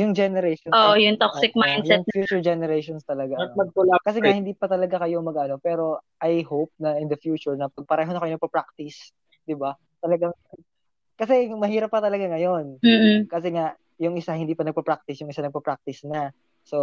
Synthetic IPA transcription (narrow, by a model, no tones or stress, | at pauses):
jʊŋd͡ʒɛnɛɾɛjʃonoʔjʊŋt̪oksɪk̚majnd̪jɛŋfjuːt͡ʃʊɹd͡ʒɛnɛɾɛjʃonst̪ɐlɐɡaɐɡ̚pʊlakɐs̬ɛŋaʔhɪnd̪iːpɐt̪ɐlɐɡakɐjoŋmɐɡɐno̞pɛːɾo̞ʔɐjhowp̚nɐʔɪnd̪ɐfjuːt͡ʃʊɹnɐpɐɡ̚pɐɾɛːɦo̞nɐkɐjoɐɡ̚pɐpɾak̚t̪ɪs | d̪ɪba | t̪ɐlɐɡaŋ | kɐsɛmɐhiːɾɐpːɐt̪ɐlɐɡaŋɐjo̞n̩ːkɐs̬ɛŋaʔ | jʊŋɪsahɪnd̪iːpɐnɐɡ̚pɐpɾak̚t̪ɪsjʊŋɪsanɐɡ̚pɐpɾak̚t̪ɪsnɐ | so̞